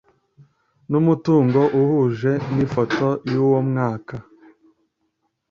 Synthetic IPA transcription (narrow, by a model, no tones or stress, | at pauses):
numutuːŋɡo̞ʔuhuʒe̞nifotojuwomŋaːka